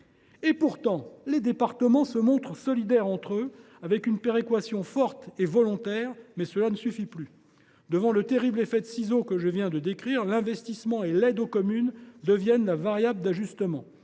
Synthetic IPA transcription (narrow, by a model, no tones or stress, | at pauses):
epuʁt̪ɑ̃led̪epaʁt̪əmɑ̃səmɔ̃t̪χsɔlid̪ɛʁɑ̃t̪χø | avɛkynpeʁekwasjɔ̃fɔʁt̪evɔlɔ̃t̪ɛːʁmɛsəlanəsyfiply | d̪əvɑ̃lət̪eʁiblefɛd̪əsizokəʒəvjɛ̃d̪əd̪ekχiːʁlɛ̃vɛst̪ismɑ̃elɛd̪okɔmynd̪əvjɛnlavaʁjabld̪aʒyst̪əmɑ̃